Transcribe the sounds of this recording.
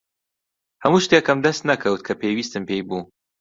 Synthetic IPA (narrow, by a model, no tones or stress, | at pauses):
hɐmuːʃt̪ekɐmd̪ɐst̪nɐkʰɐwt̪̚kʰɐpʰeːjwiːst̪ɨmpejbuː